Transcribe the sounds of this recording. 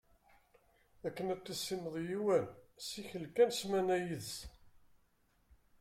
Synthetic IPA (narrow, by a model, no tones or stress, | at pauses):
ækːənæt̪ːæsːiməðˤjiwænsiçəlkænsmænæjəðs